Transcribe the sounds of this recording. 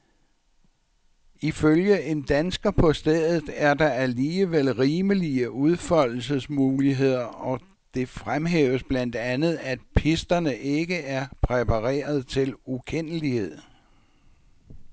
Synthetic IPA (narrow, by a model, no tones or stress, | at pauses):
iføljəe̝nd̥ænsɡ̥ɐpʰɒ̽sd̥eð̰ˠð̩ˠæɐd̥ɑ̈æliːəʋel̰ʁiːməliəuð̞ˠfɒl̰l̩səsmuːliɦe̝ð̞̰ˠɐɒ̽ | d̥e̝fʁamɦḛːʊəsb̥læn̰d̥ænð̞̩ˠæd̥̚pʰisd̥ɐnəʔe̝ɡ̥əæɐpʰʁɛpʰɑʁḛːɐð̞̩ˠt͡sʰe̝lukʰen̰əlihe̝ð̞̰ˠ